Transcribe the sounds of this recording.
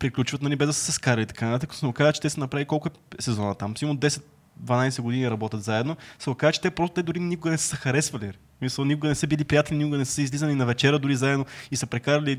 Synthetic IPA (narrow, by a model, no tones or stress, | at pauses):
pɾiklʲut͡ʃvɐt̪nɐlibɛzd̪ɐsɛ̥sɛskaɾɐlit̪ɐ̥kanɐt̪at̪əkɐt̪osəmukazət͡ʃɛt̪ɛsɛnɐpɾavikɔlˠkʊɛsɛzɔnət̪amsimd̪ɛsɛt̪̚ | d̪vɐnajsɛɡod̪iniɾɐbɔt̪ʲət̪zaɛd̪nosəmkazt͡ʃɛ̥t̪ɛpɾɔst̪ot̪ɛd̪ʊɾinikʊɡənɛsə̥zɐxɐɾɛsvɐli | smisəlˠnikʊɡənɛsəbilipɾijat̪ɛlʲinikʊɡənɛsəizlizənʲinɐvɛt͡ʃɛɾəd̪ʊɾizaɛd̪noisəpɾɛkaɾɐli